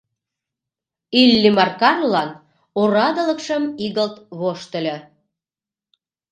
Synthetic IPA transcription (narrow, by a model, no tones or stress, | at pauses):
ylːimɑrkɑrlɑn | oɾɑd̪ələkʃəmiɣəlt̪βoʃt̪əlʲe